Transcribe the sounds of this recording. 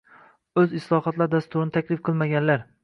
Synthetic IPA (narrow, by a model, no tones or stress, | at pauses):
ɵzɪslˠɒχɒt̪laɾd̪ast̪ʊɾɪnɪt̪ʰakʲlɪfqʰɨlˠmaɡʲanlaɾ